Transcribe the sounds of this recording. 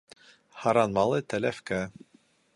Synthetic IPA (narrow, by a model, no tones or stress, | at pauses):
hɑɾɑnmɑlˠɤt̪ælæfkæ